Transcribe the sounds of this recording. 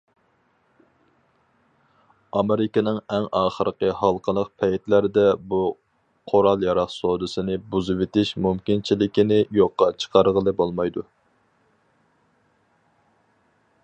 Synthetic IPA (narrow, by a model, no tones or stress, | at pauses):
ɑmeɾɪkʲɑnɨŋɛŋɑːχəɾəqəhɑlˠqʰəlˠəq̚pʰɛjt̪læɾɪd̪ɛbu | qʰoɾɑlˠjɑɾɑqsod̪ɨsɪnɪbuzɨwɪt̪ʰɪʃmumkʲint͡ʃʰilɪkʲinɪjoqːɑt͡ʃʰə̥qʰɑɾʁəlˠɨbolˠmɑjd̪u